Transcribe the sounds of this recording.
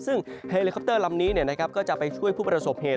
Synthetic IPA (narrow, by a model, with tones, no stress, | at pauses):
sɯ˥˩ŋheː˧li˧kʰɔ˦˥p̚t̪ɤː˥˩la˧mniː˦˥ni˥˩ɐna˦˥kʰa˦˥p̚kɔː˥˩t͡ɕa˨˩pa˧jt͡ɕʰu˥˩əjpʰuː˥˩p̬ɾa˧so˨˩˦p̚heː˨˩